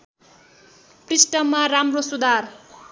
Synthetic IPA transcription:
prisʈʌmːaɾamrosud̪ar

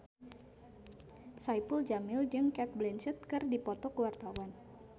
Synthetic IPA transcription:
sajpəld͡ʒamɪld͡ʒɨŋkɛt̪̚blɛnt͡ʃət̪̚kɨrdipɔt̪ɔkəwart̪awan

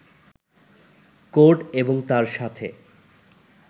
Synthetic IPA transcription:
koɾʈeboŋt̪aɾʃat̪ʰḛ

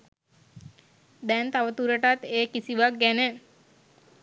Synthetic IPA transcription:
d̪ɛnt̪aʋət̪uɾəʈat̪eːkisiʋak̚ɡænə

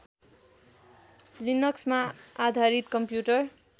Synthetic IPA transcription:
linʌksmaad̪ʱaɾit̪kʌmpjuʈʌr

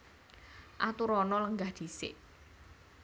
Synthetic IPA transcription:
ʔat̪uɾɔnɔləŋɡahd̪̥i̤sɪ̰ʔ

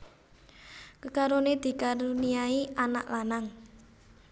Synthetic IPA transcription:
kəkaɾoned̪̥i̤kaɾuniaiʔana̰ʔlanaŋ

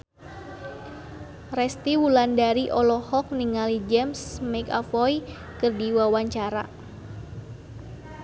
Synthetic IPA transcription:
rɛst̪iwulandaɾiʔɔlɔhɔk̚niŋalid͡ʒɛmsmɛkafɔj | kɨrdiwawaɲt͡ʃaɾa

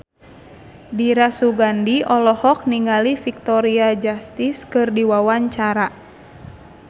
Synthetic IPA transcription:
diɾasuɡandiɔlɔhɔk̚niŋalifik̚t̪ɔɾiad͡ʒast̪iskɨrdiwawaɲt͡ʃaɾa

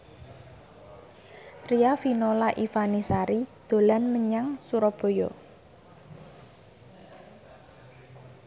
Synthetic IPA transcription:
riafinolaʔifanisaɾid̪̥o̤lanməɲaŋsuɾɔb̥o̤jo̰

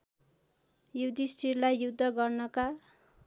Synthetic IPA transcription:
jud̪isʈiɾlajːud̪ʱːʌɡʌrnʌka

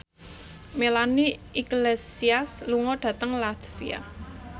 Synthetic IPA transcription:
melaniiɡlesiasluŋɔɖ̥ä̤t̪əŋlat̪fia̰

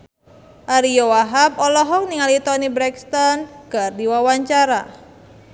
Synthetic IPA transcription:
ʔaɾijowaɦap̚ɔlɔɦɔk̚niŋalit̪ɔnibɾɛkst̪ɔnɡ̥a̤rd̪iwawaɲt͡ʃaɾa

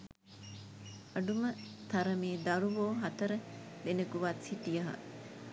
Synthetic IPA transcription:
ɐɖumət̪ʰɐɾəmeːd̪ɐɾuʋoːɦɐt̪əɾəd̪enəkuʋat̪siʈijɐɦɐ̰

